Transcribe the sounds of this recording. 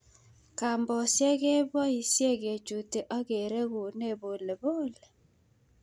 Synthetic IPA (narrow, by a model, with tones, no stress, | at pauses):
ka˨mbɔ˨sjɛ˦ɣe˦bwɔ˦i˨sje˦˨ɣe˨t͡ʃu˨te˨ʔa˦ɣe˨ɾe˦ɣo˨ne˦˨βo˨le˨bo˦le˨